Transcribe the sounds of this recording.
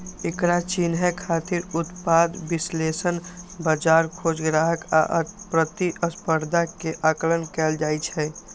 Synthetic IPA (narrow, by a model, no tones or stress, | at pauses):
ekɾat͡ʃinɦəkʰat̪ɪɾʊt̪pad̪bislesənbəd͡ʒaɾkʰod͡ʒɡɾaɦəka̰ʔpɾət̪iʔəspəɾd̪ʱakeʔaklənkɛːld͡ʒajt͡ʃʰɛ